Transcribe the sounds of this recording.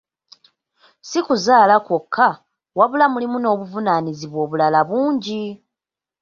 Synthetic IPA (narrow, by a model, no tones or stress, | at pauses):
sikuzaːlakwokʰːa | waβulamulimuno̞ːβuvunaniziβwo̞ːβulalaβuːɲɟi